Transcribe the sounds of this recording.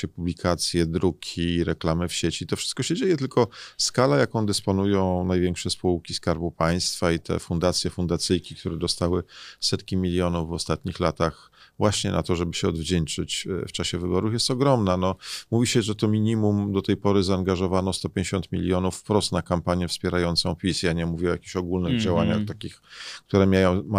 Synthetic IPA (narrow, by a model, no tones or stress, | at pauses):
ɛpublʲikʰat̪sʲjɛd̪ɾukʲʰiɾɛklamɘfɕet͡ɕit̪ɔfʂɘst̪kɔɕɛd͡ʑejɛt̪ɘlkɔskalajakɔ̃w̃d̪ɛspɔnujɔ̃w̃najvʲjɛŋkʂɛspuwkʲiskaɾbupaj̃st̪fait̪ʰɛ̰fund̪at̪sʲjɛfund̪at̪sɘjkʲik̚t̪uɾɛd̪ɔst̪awɘsɛt̪kʲimʲilʲjɔnuvːɔst̪at̪ɲixlat̪ax | vwaɕɲɛna̰t̪ɔʐɛbɘɕɛɔ̰d̪vd͡ʑɛnt͡ʂɘt͡ɕft͡ʂaɕɛvɘbɔɾufjɛst̪ɔɡɾɔmnanɔmuvʲiɕɛʐɛt̪ɔmʲiɲimumd̪ɔt̪ɛjpɔɾɘzaːŋɡaʐɔvanɔst̪ɔpʲjẽɲd͡ʑeɕɔ̃nt̪mʲḭlʲjɔnufːpɾɔst̪nakampaɲjɛfspʲjɛɾajɔnt̪sɔ̃w̃pʲisjaɲɛmuvʲiajakʲiɕɔɡulnɘɣd͡ʑawaɲa̰xt̪akʲixkt̪uɾɛmʲjajɔ̃w̃ma